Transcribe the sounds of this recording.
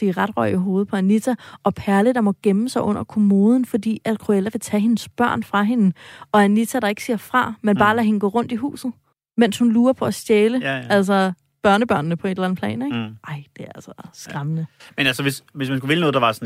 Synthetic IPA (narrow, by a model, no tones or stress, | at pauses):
iʁɑ̈d̥ʁœɪ̰əɦo̝ːð̞̩ˠpʰɒ̽ænit͡sʰæʔɒ̽pʰæɐləd̥ɑ̈mɒ̽ɡ̥eməsɑ̈ɪʔɔ̽n̰ɐkʰo̝mo̝ːð̞ˠn̩fɒ̽d̥ḭːæd̥kʰʁuelæʋe̝t͡sʰɛɦe̝nsb̥ɶɐ̰nfʁɑ̈ɦe̝nɒ̽ænit͡sʰæɾ̥ɑ̈e̝ɡ̥siɐ̰fʁɑ̈menb̥ɑ̈ːlæɦe̝nəɡɔ̰ːʁɔ̽n̰d̥iɦṵːsð̞̩ˠ | men̰shunluːɐpʰɒ̽æsd̥jeːləæl̰s̬ɐ | b̥ɶɐnəb̥ɶɐ̰nnəpʰɒ̽e̝delæn̩ˠpʰlɛ̰ːneɡ̥ʔɑ̈ɪ̰d̥e̝æɐælsɒ̥sɡ̥ʁɑ̈mənəmenælsəʋe̝sʋe̝s̬mænskuʋe̝lənɔð̩ˠd̥ɑʋɑ̈sn